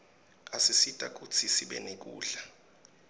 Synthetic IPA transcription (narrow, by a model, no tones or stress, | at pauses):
asisitʼa̰k̬ut͡sʰisiɓɛ̰nek̬ṵːɮa